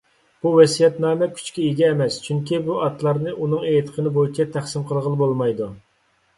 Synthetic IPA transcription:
b̥uwɛsijɛt̪nɑːmɛkʲʰy̥t͡ʃkʲɛeɡʲɛːmɛst͡ʃʰyŋkʲibuʔɑt̪ʰlˠɑɾnɨʔunɨŋet̪ʰə̥qʰənɨbojit͡ʃʰɛt̪ʰæχsɪmqʰəlˠʁəlˠbolˠmɑjd̪u

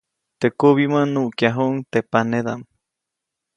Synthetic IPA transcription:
t̪eʔkuβimãnuʔkjaɦoʔŋt̪epaneðam

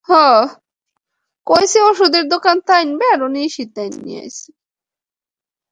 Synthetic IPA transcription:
hɔ̃ | kojseoʃud̪eɾd̪okant̪ajnbɛaɾoniʃit̪ajnːḭja̰jsi̥

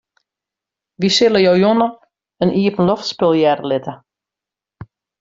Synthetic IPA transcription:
ʋisɪləjɔwjonə | ənʔiəpənlɔftspɪlˠjɛɾəlɪtə

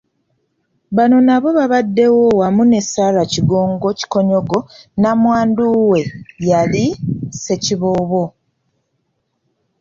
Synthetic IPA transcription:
βano̞naβo̞βaβadːe̞wowamune̞salaciɡo̞ːŋɡo̞ci̥ko̞ɲo̞ɡo̞namwaːnduwe̞jalise̞ciβoːβo̞

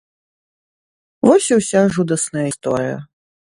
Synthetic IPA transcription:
vɔsʲiwsʲaʐud̪ɐsnɐjəist̪ɔ̰ɾɨjɐ̰

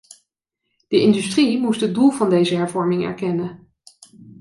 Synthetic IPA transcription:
d̥əʔɪndystrimustɦədulˠvɑndejzəɦɛɹvɔɹmɪŋɛ̰ɹkɛnə

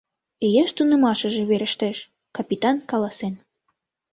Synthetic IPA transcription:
ejeʃt̪unə̆mɑʃə̆ʒĕβeɾə̆ʃt̪eʃ | kɑpʲit̪ɑnkɑlɑsen

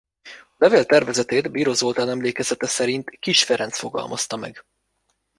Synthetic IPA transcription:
ɒlɛveːlt̪ɛrvɛzɛt̪eːd̪biːɾozolt̪aːnɛmleːkɛzɛt̪ɛsɛɾint̪kiʃfɛɾɛnsfo̞ɡɒ̰lmɒst̪ɒmɛ̰ɡ̥

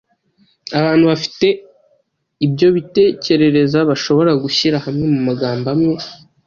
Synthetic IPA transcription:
aβaːnhuβafi̥te̞ | ibɟo̞βite̞ːce̞ɾe̞ɾe̞zaβaʃo̞βo̞ɾaɡuçiɾahamŋe̞mumaɡaːmbamŋe̞

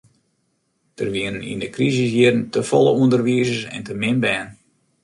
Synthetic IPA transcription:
d̥ərʋiənənḭndəkrizisjiərn̩təfɔlˠəuəndərʋiəzəsɛ̰ntəmɪmbɛːn

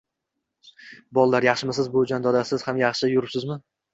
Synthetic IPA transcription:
bɒlˠlaɾjɑχʃɪmɪsɪzbod͡ʒand̪ɒd̪asɪz̥hamjɑχʃɪjʊɾɪpsɪzmɪ

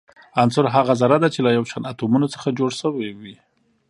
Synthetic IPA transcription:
ansʊɾɦaɣazaɾad̪at͡ʃelajawʃanat̪omunot͡sə̥xad͡ʒoɽʃəwewi

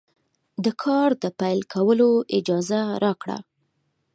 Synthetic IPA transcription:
d̪əkʰɑɾd̪əpajlkʰawəloɪd͡ʒɑzaɾʔɑkɽa̰

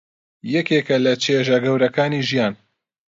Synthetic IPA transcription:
jɛkekɐlɐt͡ʃʰeʒɐɡɐwɾɐkaːniːʒijaːn

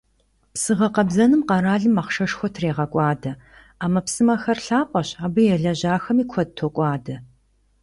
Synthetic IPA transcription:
psɨʁɐqɐbzɐnɨmqɐɾaːɮɨmaχʃɐʂxʷɔtʰreːʁɐkʷʼɑːdɐ | aːmɐpsɨmɐxɐrɬaːqʷʼɐɕaːbɨjɛɮɐʑaːxɐmiːkʷʰɔd̚tʰokʷʼɑːdɐ

